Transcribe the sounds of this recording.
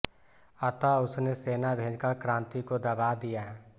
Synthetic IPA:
ɐt̪aʊsneseːnabʱẽːd͡ʒkəɾkɾãːnt̪ikod̪ɐbaːd̪ijaɦɛ

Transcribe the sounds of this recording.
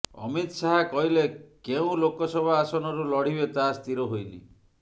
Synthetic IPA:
ɔ̰mit̪saɦakɔɦilekeũlokɔsɔbʱaasɔnɔɾulɔɽ̤ibet̪ast̪ʰiɾɔɦojnḭ

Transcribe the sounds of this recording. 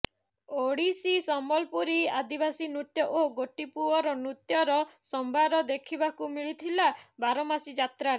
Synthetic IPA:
oɽisisɔmbɔlpuɾiad̪ibasinut̪jɔʔoɡoʈipuɔɾɔnɾut̪jɔɾɔsɔmbʱaɾɔd̪ekʰibakumiɭit̪ʰilabaɾɔmasid͡ʒat̪ɾaɾe

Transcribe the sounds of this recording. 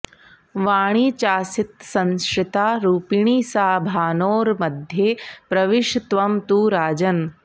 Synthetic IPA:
ʋaːɽ̃iːt͡ʃaːsit̪sɐ̃nsɾɪt̪aːɾuːpiɳiːsaːbʱaːnoːɾmɐd̪ʱjeːpɾɐʋiʂt̪ʋɐmt̪uːɾaːd͡ʒɐn

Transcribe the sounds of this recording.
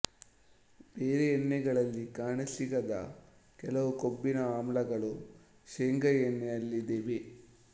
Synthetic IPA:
beːɾeːnːɛɡɐɭɐlːikaːɳɐsiɡɐd̪ɐ̰ | kɛlɐʋukobːinɐaːmlɐɡɐɭu | ʃeːŋɡɐjenːɛɐlːid̪eʋe

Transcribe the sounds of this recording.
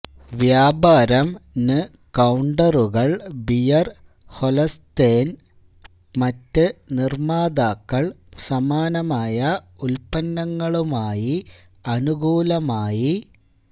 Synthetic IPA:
ʋjaːbaːɾɐmnɨ | kɐwɳɖɐruɣɐɭbijɐr | holɐst̪eːn | mɐtːɨnirmaːd̪aːkːɐɭsɐmaːnɐmaːjɐulpɐnːɐŋːɐɭumaːji | ɐnuɡʱuːlɐmaːji

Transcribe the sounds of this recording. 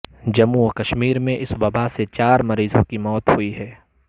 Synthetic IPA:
d͡ʒɐmukɐʃmiːɾmẽʔɪsbɐbaset͡ʃaːɾmɐɾiːzõkimɔːt̪hʊiɦɛː

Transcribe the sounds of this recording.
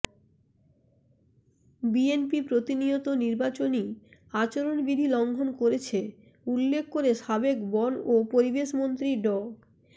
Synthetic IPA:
bienpipɾot̪iniot̪oniɾbat͡ɕoniat͡ɕoɾonbid̪ʱilɔŋɡʱonkoɾet͡ɕʰe | ulːekʰkoɾeʃabekbɔnopoɾibeʃmont̪ɾiɖɔ

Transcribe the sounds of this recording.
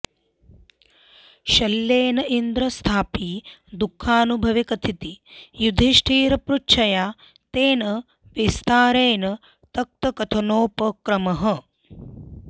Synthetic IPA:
ʃɐlːeːnɐʔind̪ɾɐst̪ʰaːpid̪ukʰːaːnubʱɐʋikɐt̪ʰit̪ijud̪ʱiʃʈʰiːɾɐpɾutːt͡ʃʰːɐjaː | t̪eːnɐ | ʋist̪ʰaːɾeːnɐ | t̪ɐk̚t̪ɐkɐt̪ʰɐnoːpɐkɾɐmɐɦɐ̆

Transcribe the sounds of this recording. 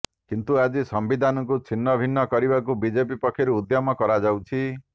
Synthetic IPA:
kint̪uad͡ʒisɔmbid̪ʱanɔŋk̬ut͡ʃʰinːɔbʱinːɔkɔɾibakubid͡ʒep̬ipɔkʰːjiɾuːd̪jamɔkɔɾad͡ʒawt͡ʃʰi

